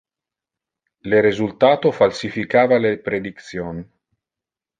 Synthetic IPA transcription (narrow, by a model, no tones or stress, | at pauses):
lerizult̪aːt̪ofalsifikaːvalepɾed̪ikt̪sjoːn